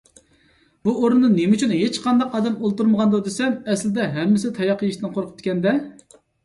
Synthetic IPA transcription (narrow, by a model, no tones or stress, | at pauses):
buoɾunːɨnemt͡ʃʰynɦet͡ʃqʰɑnd̪ɑqɑːd̪ɛmolˠt̪uɾməʁɑnd̪od̪esɛmɛslɪd̪ɛɦɛmːɪs̬ɪt̪ʰɑjɑqʰːəjiʃɨnqʰoɾqʰəp̚t̪ɪ̥kʲʰɛnd̪ɛ